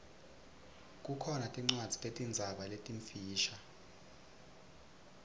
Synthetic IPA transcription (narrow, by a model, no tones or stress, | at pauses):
kʼukʰɔnatʼiŋ͡ǀwadd͡z̥ʱitʼetʼind͡zʱaɓaletʼiɱfiːʃa